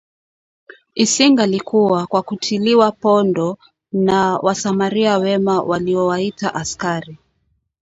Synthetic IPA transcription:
isiŋɡalikuwakwakutʰiliwapɔndɔ | nawʔasamaɾiawɛmawaliɔwaita̰ʔaskaɾi

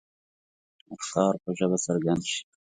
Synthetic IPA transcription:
axɑːɾpəʒaβasaɾɡand̪ʃi̥

